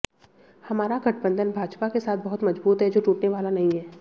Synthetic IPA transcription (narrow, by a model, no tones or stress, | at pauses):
hɐmaːɾaɡɐʈʰbə̃nd̪ʱənbʱaːd͡ʒpakesaːt̪̚ʰbɐɦʊt̪mɐd͡ʒbuːt̪ɦɛd͡ʒoːʈuːʈneʋaːlanɐɦĩɦɛː